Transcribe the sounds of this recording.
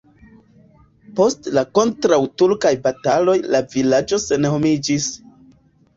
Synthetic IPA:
po̞stlako̞ntɾawtuɾkajbatalo̞jlavilad͡ʒo̞se̞nho̞mid͡ʒis

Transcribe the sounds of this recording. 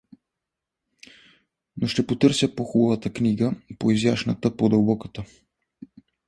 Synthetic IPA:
noʃt̪ɛpot̪ɤɾsjəpoxubəvət̪əkniɡəpoizjaʃnət̪əpod̪əlˠbɔkət̪ə

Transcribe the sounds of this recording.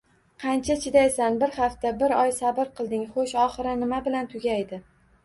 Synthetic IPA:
qʰɑnt͡ʃʰat͡ʃʰɪd̪ajsanbɪɾχɑft̪abɪɾɒjsabɪɾqʰɨlˠd̪ɪŋχoʃɒχɨɾɪnɪmabɪlant̪ʰʊɡʲajd̪ɪ

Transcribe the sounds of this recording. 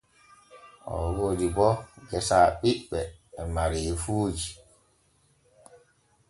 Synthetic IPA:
ʔɔ̰wodibɔɡɛsaːɓiɓɛːmaɾiːfuːd͡ʒi

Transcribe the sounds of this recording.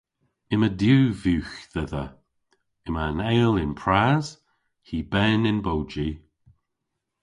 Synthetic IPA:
ɪmədjuːvjuːxðɛðə̰ | ɪmanɛjlɪnpʰɹaz̥ | hiːbɛnɪnbowd͡ʒi

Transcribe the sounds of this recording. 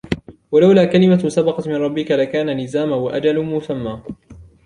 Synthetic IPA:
walawlaːkalɪmasabɑqɑt̪mɪnˤɾˤɑbːɪkalakaːnanɪzaːmaaʔad͡ʒalmʊsamːaː

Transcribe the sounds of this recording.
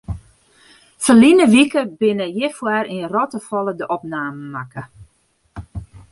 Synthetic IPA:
fəlinəʋikəbɪnəjɪfwaɾirɔtəfɔlədəʔɔpnaːməmakə

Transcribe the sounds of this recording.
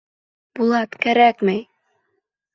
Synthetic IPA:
bulˠɑt̪kæɾækmɘj

